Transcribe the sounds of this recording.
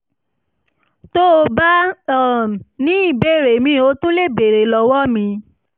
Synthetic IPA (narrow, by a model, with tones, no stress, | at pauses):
to˦o˧ba˦ɔ˦˨nĩ˨˦i˦˨be˦˨ɾe˨mĩ˧o˧˦tũ˦le˦˨be˨ɾe˨lɔ˧wɔ˦mĩ˧